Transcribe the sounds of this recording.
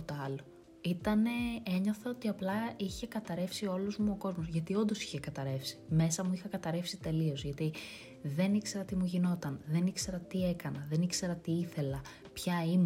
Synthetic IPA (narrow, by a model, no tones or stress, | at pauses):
t̪oɐlo | it̪ɐne̞eɲo̞θɐot̪iɐplɐiçe̞kɐt̪ɐɾe̞fsio̞luzmuo̞ko̞zmo̞zʝɐt̪io̞nd̪o̞si̥çekɐt̪ɐɾe̞fsi̥me̞sɐmuixɐkɐt̪ɐɾe̞fsit̪e̞lio̞zʝɐt̪i | ðe̞nikse̞ɾɐt̪imuʝino̞t̪ɐnðe̞nikse̞ɾɐt̪ie̞kɐnɐðe̞nikse̞ɾɐt̪iiθe̞lɐ | pçɐim